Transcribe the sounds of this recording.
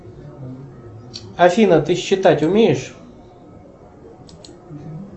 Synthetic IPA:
afʲinɐt̪ɨɕːɪt̪atʲʊmʲejɪʂ

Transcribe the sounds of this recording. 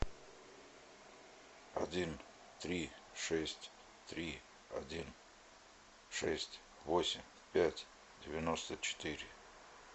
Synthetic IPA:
ɐ̰dʲin | t̪ɾʲiʂɛsʲtʲ | t̪ɾʲi | ɐ̰dʲin | ʂɛsʲtʲ | vosʲɪmʲ | pʲætʲ | dʲɪvʲɪnost̪ət͡ɕɪ̥t̪ɨɾʲɪ

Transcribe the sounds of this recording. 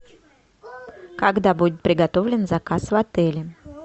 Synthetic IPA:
kɐɡd̪abudʲɪt̪̚pɾʲɪɡɐt̪o̞vlʲɪnzɐkasvɐt̪ɛlʲɪ

